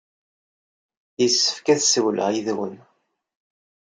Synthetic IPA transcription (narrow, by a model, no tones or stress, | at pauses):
jəsːə̥fkæθsəwlə̰ʁiðwə̰n